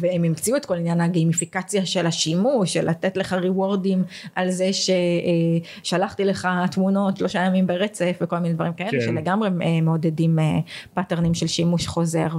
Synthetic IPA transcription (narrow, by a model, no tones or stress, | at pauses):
veemimt͡siuetko̞linjanhaɡemifikat͡sjaʃelaʃimuʃelʔa̰t̪etleχaʁiwo̞ʁdimʔalzeʃe | ʃalaχtileχatmuno̞tʃloʃajamimbeʁet͡sefveko̞lmined̪vaɐʁimkaeeʃeleɡamʁeemeod̪edimepateʁnimʃelʃimuʃχo̞ze̞ʁ